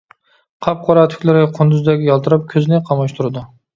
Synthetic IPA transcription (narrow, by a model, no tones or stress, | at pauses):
qʰɑp̚qʰɒɾat̪ʰʊ̥kʲlaɾɡʲaqʰʊnd̪ʊzd̪aɡʲɪjɒlˠt̪ʰɨɾɪp̚kʲʰɵznɪqʰɑmɒʃt̪ʰʊɾad̪ɪ